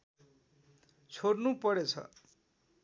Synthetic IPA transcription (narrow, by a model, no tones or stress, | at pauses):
t͡sʰoɽnupʌɽet͡sʰʌ̰